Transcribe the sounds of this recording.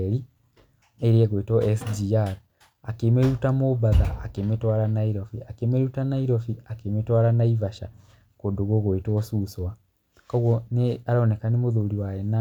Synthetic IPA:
ɾi | eɾieɣoitwɔɛsdiaɾ | akemeɾutamoβaðaʔːkemetwaɾanaiɾɔfiakemeɾutanaiɾɔfiakemetwaɾanaivaʃa | kondoɣoɣoitɔsuswa | kɔɣwɔneaɾɔnekanemoðoːɾiwajɛna

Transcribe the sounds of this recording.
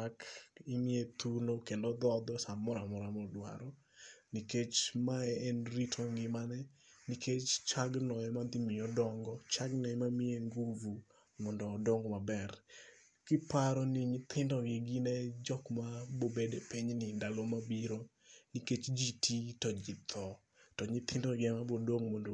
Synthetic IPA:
akɪmɪet̪unokendod̪ɔd̪ɔsamɔɾamɔɾamɔdwa̰ɾɔ | niket͡ʃmaɛːnɾitʰoŋɡɪmanɛ | nikʰet͡ʃt͡ʃaɡnɔɛmad̪ɪmɪɔdɔŋɡɔt͡ʃaɡnɔɛmamɪeŋɡuvu | mɔndɔːdɔŋɡɔmabɛr | kɪpaɾɔnɪɲɪt̪ʰɪndɔɡɪɡɪnɛd͡ʒɔkmabobedepiɲnɪndalɔmabiɾo | niket͡ʃd͡ʒitʰitɔd͡ʒɪt̪ʰɔ | tɔɲɪt̪ʰɪndɔɡɪɛmabodoŋmɔndo

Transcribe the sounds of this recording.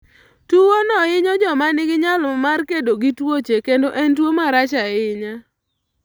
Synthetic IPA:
tuwonɔɪɲɔd͡ʒɔmanɪɡɪɲalmarkedoɡitwot͡ʃekendoʔɛntwomaɾat͡ʃaɛɪɲa

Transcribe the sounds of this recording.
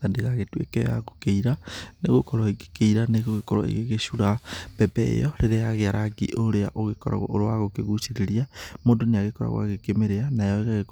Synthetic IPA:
tandeɣaɣetuḛkɛja̰ɣokeiɾaneɣokɔɾɔeɣe̥keiɾaneɣoɣekɔɾɔ̰ḛɣeɣeʃuɾab̥ɛbɛḛjɔɾeɾejaɣeaɾaɡḭʔoɾea̰ʔoɣekɔɾa̰ɣo̰oɾowaɣokeɣusiɾeɾiamoːndoneaɣekɔɾa̰ɣw̰a̰ɣekemeɾeanaejɔeɣaɣek

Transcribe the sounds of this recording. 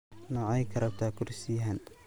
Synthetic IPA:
nɑʕɑjkʰɐɾɐb̚t̪ʰaːkʰʊrsiːɦɐn

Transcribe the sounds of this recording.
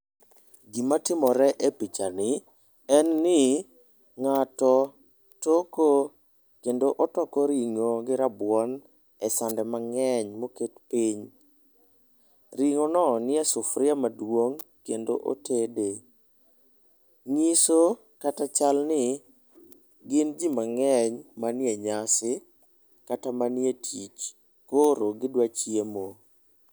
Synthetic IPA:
ɡimatɪmɔɾɛʔepit͡ʃanɪ | ɛnːɪ | ŋatɔ | toko | kendoʔɔtɔkɔɾiŋoɡɪɾabwɔn | ɛsandɛmaŋɛɲmoketpiɲ | ɾiŋɔnɔnɪɛsʊfɾɪamadwoŋkendo̰ʔo̰tede | ŋiso | katat͡ʃalnɪ | ɡɪnd͡ʒimaŋɛɲmanɪjeɲasɪ | katamanɪetʰit͡ʃ | koɾoɡɪdwat͡ʃjemo

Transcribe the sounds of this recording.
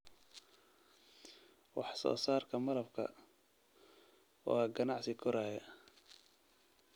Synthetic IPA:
wɑħsɔ̰ːsaːrkʰɐmɐlɐbkʰɐ̰ | wɑːɡɐnɑʕsɪkʰɔɾaːjɐ

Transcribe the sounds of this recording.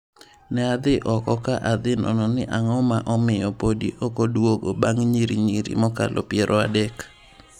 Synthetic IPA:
nɛad̪ɪʔɔkɔkaʔad̪ɪnɔ̰nɔnɪʔaŋɔmaʔɔmɪjɔpodḭʔokodwoɡobaŋɲiɾiɲiɾḭmɔka̰lʔɔ̰pjeɾʔɔa̰dɛk

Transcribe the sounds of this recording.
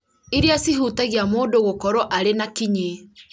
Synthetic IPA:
iɾeasiɦutaɣiamoːndoɣokɔɾɔʔaɾenakiɲe

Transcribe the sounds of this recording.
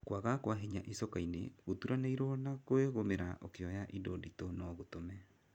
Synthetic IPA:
kwaɣakwaɦeɲaʔesɔkainḛɣotuɾaneiɾɔnakoeɣomeɾaʔokeɔjaʔidoditonɔɣotomɛ

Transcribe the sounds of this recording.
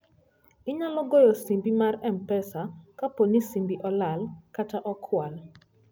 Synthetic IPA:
ɪɲalɔɡɔjɔsimbimarɛmpɛsakaponisimbiʔɔlalkataʔɔkʰwal

